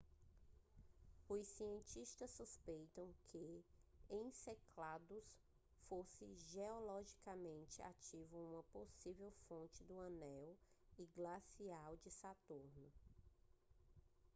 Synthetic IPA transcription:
ʊssiẽt͡ʃiʃt̪ɐsuspejt̪ɐ̃w̃kʰɪẽj̃seklad̪ʊs | fosɪʒeɔlɔʒikamẽnt͡ʃɪa̰t͡ʃivʊũmɐposivewfõnt͡ʃɪd̪ʊɐ̃nɛwɪɡlasiawd͡ʒɪsat̪uɾnʊ

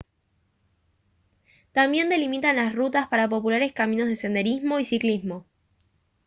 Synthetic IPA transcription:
t̪ambje̞nd̪e̞limit̪anlasrut̪aspaɾap̬o̞pulaɾe̞skamĩno̞zðe̞se̞nd̪e̞ɾizmo̞isiklizmo̞

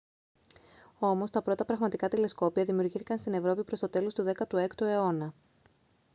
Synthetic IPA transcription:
o̞mo̞st̪ɐpɾo̞t̪ɐpɾɐɣmɐt̪ikɐt̪ile̞sko̞piɐðimiuɾʝiθikɐnst̪ine̞vɾo̞pipɾo̞st̪ot̪e̞lo̞st̪uðe̞kɐt̪ue̞kt̪ue̞o̞nɐ

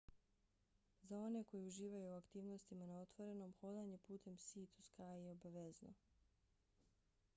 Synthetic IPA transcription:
zao̞ne̞ko̞jiuʒiːʋajuːakt̪iːʋno̞st̪imanao̞t̪ʋo̞ɾe̞no̞mxo̞d̪aɲe̞puːt̪ʰe̞msiːt̪uskaːjijeobaʋezno̰

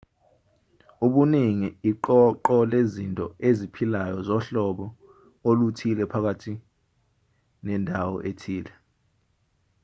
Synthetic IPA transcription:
uɓuniŋiiǃɔǃɔlezintʼɔezipʰilajɔzɔɬɔɓɔ | olutʰilɛpʰak̬atʰi | nɛndʱawɔ̰ʔetʰiːlɛ

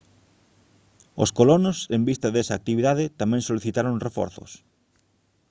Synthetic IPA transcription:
o̰skolonosembist̪ɐðesɐaːk̚t̪iβiðaðɪt̪amɛ̃ŋsoliθit̪aɾoŋrefɔ̰ɾθʊ̰s

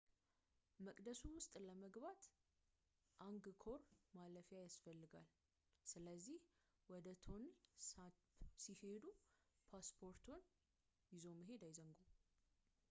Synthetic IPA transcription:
məkʼd̪əsuwʊst̪ʼləməɡbat̪ | ʔaŋɡɨkʰo̞ɾmaləfjajasfəlːɨɡal | sɨləzːih | wɔd̪ət̪ʰo̞nsa | sihe̞d̪upʰaspʰo̞ɾt̪ʰon | jɪzo̞məɦe̞d̪ajzəŋɡo

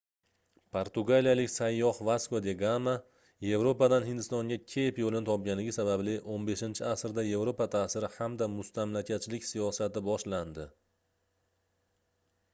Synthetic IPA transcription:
pʰoɾt̪ʊɡalijalɪkʲsajːɒhvaskod̪eɡama | je̞vɾo̞pad̪anɦɪnd̪ɪst̪ɒŋɡʲakʲʰe̞pjolɪnɪt̪ʰɒp̚ɡʲanɪɡʲɪsabablɪʔonbe̞ʃɪnt͡ʃʰɪasɾd̪aje̞vɾopat̪ʰaːsɪɾɪhamd̪amʊst̪ʰamlakʲʰat͡ʃʰɪlɪkʲsijɒsat̪ɪbɒʃland̪ɪ

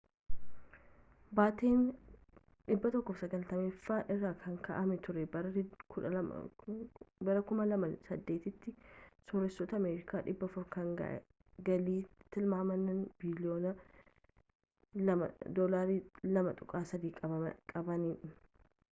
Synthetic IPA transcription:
baːt̪eːn | ᶑɪbːɐt̪ɔkːɔfsɐɡɐlt̪ɐmefːaːʔɪrːaːkʰɐŋkɐ̰ʔɐmɛt̪ʊɾɛbɐɾɐkʊɐ̰ | bɐɾɐkʊmɐlɐmɐsɐd̪ːeːt̪ɪt̪ːɪsɔɾɛsːɔt̪ɐːmeːɾɪkaːᶑɪbːɐfʊɾkɐŋɡɐ̰ʔ | ɡɐliːt̪ɪlmaːmɐnːɐnbilɪoːnɐ | ɐmɐ̰d̪olaːɾiːlɐmɐt̪ʼʊkʼaːsɐd̪iːkʼɐɐkʼɐbɐniːᶑʊ

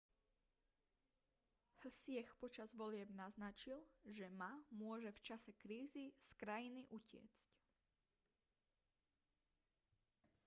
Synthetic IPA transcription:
h̩sɪɛxpɔt͡ʃazʋɔlɪɛbnaznat͡ʃilʒɛmamʊɔʒɛft͡ʃasɛkɾiːziskɾajiniʔucɪɛ̰t͡sc

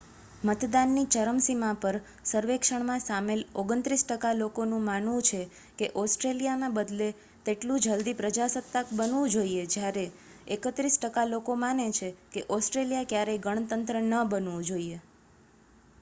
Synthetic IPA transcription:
mət̪d̪anːit͡ʃəɾəmsimãpəɾ | səɾʋekʃəɳmãsameloɡənt̪ɾisʈəkalokonũmanʋũt͡ʃʰe | keʔɔsʈɾelijanãbəd̪le | t̪eʈlũd͡ʒəld̪ipɾəd͡ʒasət̪ːakbənʋũd͡ʒoied͡ʒjaɾe | ekət̪ɾisʈəkalokomanet͡ʃʰekeʔɔsʈɾeljakjaɾeɡəɳ̃t̪ənt̪ɾənəbənʋũd͡ʒoie

